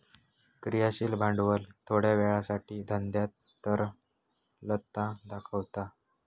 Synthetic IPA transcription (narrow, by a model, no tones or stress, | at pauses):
kɾijaɕiːlbʱãɳɖʋəlt̪ʰoɽjaʋɛɭasaʈiːd̪ʱənd̪jat̪ːəɾ | lət̪ːãd̪akʰəʋt̪a